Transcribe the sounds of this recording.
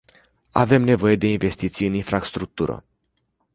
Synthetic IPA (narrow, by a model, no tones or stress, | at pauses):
a̰ve̞mne̞vo̞je̞d̪e̞inve̞st̪it̪sijɨninfɾast̪ɾuk̚t̪uɾə̰